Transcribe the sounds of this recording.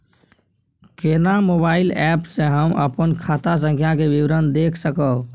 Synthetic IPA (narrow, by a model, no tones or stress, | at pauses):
kenamobaːɪlɛpsẽɦəmə̰pənkʰat̪as̬ə̃ŋkʰjakebiʋɾənd̪ekʰsəkəw